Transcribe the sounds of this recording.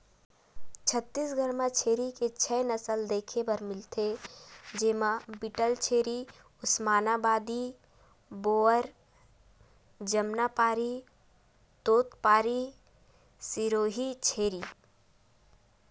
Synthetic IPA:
t͡ʃʰət̪ːisɡʱəɾmãt͡ʃʰeːɾiket͡ʃʰɛnəsəld̪eːkʰebəɾmɪlt̪ʰed͡ʒɪːmãbiʈəlt͡ʃʰeːɾi | ʊsmaːnabaːd̪i | boːəɾ | d͡ʒəmnapaːɾi | t̪oːt̪paːɾi | siɾoːɦit͡ʃʰeːɾiː

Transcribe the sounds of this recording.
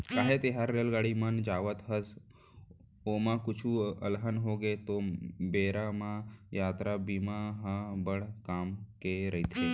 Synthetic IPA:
kaːɦet̪eɦaɾːeːlɡaːɽimənd͡ʒaːʋət̪ɦəs | oːmãkʊt͡ʃʰuəlɦənɦoːɡet̪obeːɾamãjaːt̪ɾabiːmaɦãbəɽ̤kaːmkeɾɐɦit̪ʰe

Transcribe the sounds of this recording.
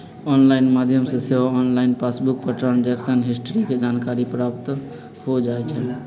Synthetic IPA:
ɔnlaɪnmad̪ʱjəmseseɦoɔnlainpasbuk̚pəʈɾənd͡ʒɛksənɦisʈɾiked͡ʒankaɾipɾapt̪ | hod͡ʒajt͡ʃʰɛ

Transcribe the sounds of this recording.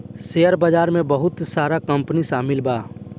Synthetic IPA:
sejəɾbad͡ʒaːɾmẽbəɦʊt̪saːɾakɐ̃mpniʃaːmɪlbaː

